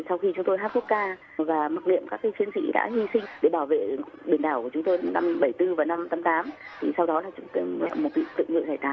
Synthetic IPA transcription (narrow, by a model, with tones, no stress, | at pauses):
sa˧wxi˧t͡ɕʊ˨˦ŋ͡mt̪o˧jɦa˦˥ku˦˥ək̚kaː˧ | vaː˨˩mə˦˥k̚ŋḭ˧˨əmkaː˦˥kːaː˨˦jfi˨˦ənsḭ˧˥ɗa̰ː˧˥hi˧sï˧ŋ̟ɗe˧˩ɓaː˧˩wvḛ˧˨ɓi˧˩nɗaː˧˩wku˧˩t͡ɕʊ˨˦ŋ͡mt̪o˧jna˧mɓə˧˩jt̪ɨ˧vaː˨˩na˧mt̪aː˨˦mt̪aː˨˦mt̪ʰi˨˩sa˧wɗɔ˨˦laː˨˩t͡ɕʊ˨˦ŋ͡mt̪ɛ̰˧˨mo˨˩t̚vḭ˧˨t̪ɨ̰˧˨ŋɨ̰˧˨zaː˧˩jt̪aː˧˩